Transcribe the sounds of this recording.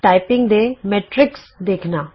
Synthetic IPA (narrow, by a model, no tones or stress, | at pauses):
ʈaːɪpɪ̃ŋɡd̪emeːʈɾɪks | d̪eːkʰnaː